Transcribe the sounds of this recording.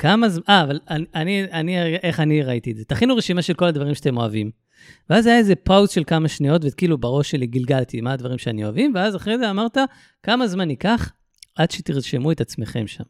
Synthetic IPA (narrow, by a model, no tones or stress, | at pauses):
kamazmʔaːvalananianiʔeχaniʁait̪ieze̞t̪aχinuʁeʃimaʃe̞lko̞lad̪vaʁimʃeat̪emo̞avim | veazajaeze̞pawzʃelkamaʃnio̞t̪vekiːlubaʁoʃeliɡilɡalt̪imaːd̪vaʁimʃeanio̞avimveazaχʁejzeamaʁt̪a | kamazmanikaχ | ʔad̪ʃet̪iʁʃe̞muet̪at͡sme̞χe̞mʃa̰m